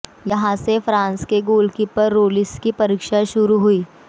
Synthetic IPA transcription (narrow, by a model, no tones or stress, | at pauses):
jɐɦãsefɾãːnskeɡoːlkipəɾːoːlɪskipɐɾiːkʃaʃʊɾuɦuiː